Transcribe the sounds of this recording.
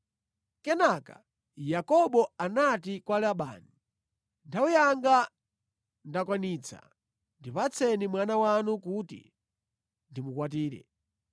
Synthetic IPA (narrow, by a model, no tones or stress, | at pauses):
kɛnaka̰ | jakɔɓɔanatikwalaɓa̰ːni | ndaujaŋɡa | ndakwaniːt͡sʰa̰ | ndipat͡sʰɛnimwanawanukutḭ | ndimukwatiːɾɛ̰